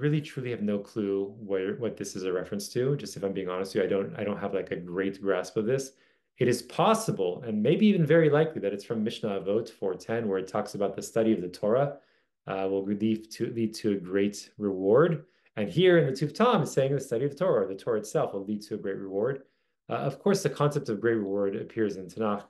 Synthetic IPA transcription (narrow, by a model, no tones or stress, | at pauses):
ɹɪlˠitʰɹ̥ʉlˠiɨvnoʊkʰl̥uwʌ˞wʌt̪̚ðɪsɨzɨɹɛfɹɨ̃nstʰɨd͡ʒʌstɨfãɪ̃mbiɪ̃ŋɑnɨstʰɨaɪɾõʊ̃ntaɪɾõʊ̃ntɦəvlaɪkɨɡɹeɪt̚ɡ̥ɹæspʌvðɪs | ɨɾɨz̥pʰɑsəbl̩ˠɨ̃nmeɪbiivɨ̃nvɛɹilaɪkliðɨɾɨtsfɹʌ̃mːɪʃnəvoʊtfɔɹtʰɛ̃nwə˞ɨtʰɔksəbaʊt̪̚ðɨstʌɾiʌvðɨtʰɔɹə | wɪlˠli̥tʰɨlid̚tʰɨːɡɹeɪt̚ɹɨwɔɹɾ | ɨ̃nhiɹɨ̃nðɨtʰʉftʰɑ̃mseɪɪ̃ŋðɨstʌɾiʌv̥tʰɔɹɨə˞ðɨtʰɔɹɨɨtsɛlˠfwəlid̚tʰɨɨɡɹeɪt̚ʔ̚ɹɨwɔɹd | ʌv̥kʰɔɹsðɨkʰɑ̃nsɛp̚tʌvɡɹeɪt̚ɹɨwɔɹɾɨ̰pʰɪɹzɨ̃ntʰɨnɑk